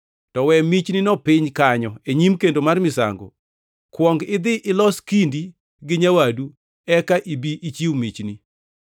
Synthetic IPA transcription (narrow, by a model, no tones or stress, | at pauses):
tɔwɛmit͡ʃninɔpɪɲkaɲɔeɲimkendomarmɪsa̰ŋɡo̰ | kwɔŋɡɪd̪ɪʔɪlɔskindi | ɡɪɲawadu | ɛkaʔibiʔit͡ʃiwmit͡ʃni